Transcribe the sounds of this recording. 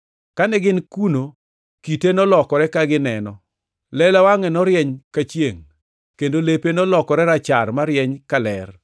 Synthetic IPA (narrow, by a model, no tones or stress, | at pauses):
kanɛɡɪnkuno | kitenɔlɔkɔɾɛkaɡɪnɛnɔ | lɛlawaŋɛnɔɾjɛɲkat͡ʃjeŋ | kendolepenɔlɔkɔɾɛɾat͡ʃarmaɾjɛɲkalɛ̰r